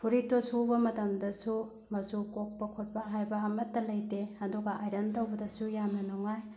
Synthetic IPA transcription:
pʰuɾitosubɐmɐtɐmdɐsu | mɐsukok̚pɐkʰut̚bɐɦajbɐɦamɐtːɐlɐjteɐduɡɐʔajɾɐntɐwbɐdɐsujamnɐnɔŋaj

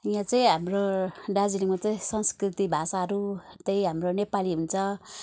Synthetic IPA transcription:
jãt͡sãĩɦamroɖad͡ziniŋmat͡saĩsʌnskrit̪ibʱasaɦʌɾu | t̪ejɦamronepaliɦunt͡sʰʌ

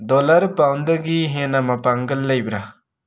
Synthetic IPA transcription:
dɔlaɾpawndɐɡiɦenɐmɐpaŋɡɐlːɐjbɾa

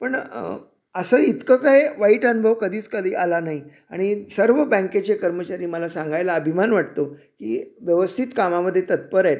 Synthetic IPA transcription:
pəɳ | əsəːit̪kəkaiʋaiːʈənubʱəʋkəd̪ʱiːt͡skəd̪ʱiːʔalanaɦi | a̰ɽ̃isəɾʋəbə̃ŋket͡ɕekəɾmət͡ɕaɾiːməlasãŋɡʱajlaəbʱimanʋaʈ̚t̪okḭːʋjəʋəst̪ʰit̪kamaməd̪ʱːjet̪ət̪̚pəɾet̪

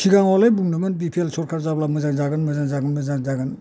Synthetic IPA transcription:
t͡ʃʰiɡaŋɔlɯjbuŋnɯmɯnbipʰielsʰɔɾkʰaɾzablamɯzaŋd͡ʒaɡɯnmɯzand͡ʒaɡɯnmɯzaŋzaɡɯn

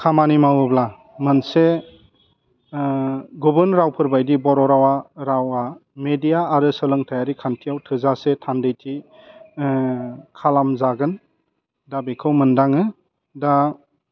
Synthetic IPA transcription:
kʰamanimawɯbla | mɯnse | ɡubɯnɾawpʰɯɾbajdibɔɾɔɾawaɾawamedijaːɾɯsɯlɯŋtʰajaɾikʰantʰijawtʰɯzasetʰandɯjtʰi | kʰalamzaɡɯn | dabikʰɯwmɯndaŋɯ | da

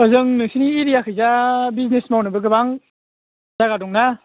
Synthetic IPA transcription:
ɯzɯŋnɯŋsʰiniːɾijakʰɯjzabiznesmawnɯbɯɡɯbaŋ | zaɡadɔŋna

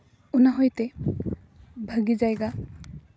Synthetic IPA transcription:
unaɦɔjt̪e | bʱəɡid͡ʒajɡa

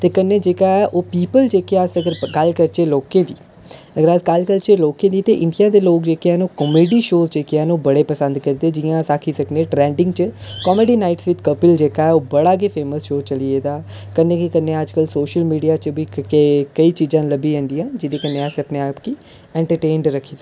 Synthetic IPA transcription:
t̪eːkənːeːd͡ʒeːkaːɛːʔoːpiːpəld͡ʒeːkeasəɡəɾɡəlkəɾt͡ʃeːloːkẽːd̪iː | əɡəɾaːsɡəlkəɾt͡ʃeːloːkẽːd̪iːt̪eːʔɪɳɖijãːd̪eːloːk̚d͡ʒeːkeɛːnũːkɔmeːɖiːʃoːzd͡ʒeːkeɛːnũːbəɽeːpəsə̃nd̪kəɾd̪eːd͡ʒɪjãːsaːkʰiːsəknẽːʈɾɛ̃ːɳɖɪ̃ŋɡt͡ʃəkɔːmeːɖiːnaːɪʈsʋɪt͡ʃ̪kəpɪld͡ʒeːkaːɛːoːbəɽaːk̬eːpʰeːməsʃoːt͡ʃəlieːd̪aːkənːẽːkikənːeːəd͡ʒkəlsoːʃəlmiːɖijaːt͡ʃbiːkəiːt͡ʃiːd͡ʒãːləbiːẽːnd̪iːãːd͡ʒɪd̪iːkənːeːəsəpneːaːpkiː | ɛ̃ːɳʈəɾʈeːɳɖɾəkʰːiː

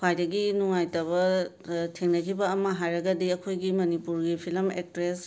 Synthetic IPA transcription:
kʰajdɐɡinuŋajtɐβɐ | tʰeŋnɐkʰibɐːmɐɦajɾɐɡɐdiɐkʰojɡimɐnipuɾɡipʰilmek̚tɾes

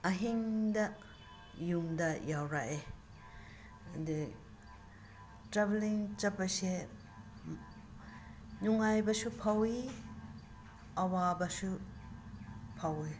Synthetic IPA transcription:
aɦiŋda | jumdɐjawɾaʔe | di | tɾabeliŋt͡ʃapːase | nuŋajbɐsupʰawi | awabɐsu | pʰawe

